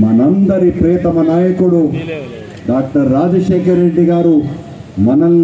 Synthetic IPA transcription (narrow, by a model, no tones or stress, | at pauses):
mɐnɐnd̪ɐɾipɾeːt̪ɐmɐnaːjɐkuɽu | ɖaːk̚ʈɐɾːaːd͡ʒɐʃeːkɐɾeɖːiɡaːɾu | mɐnɐn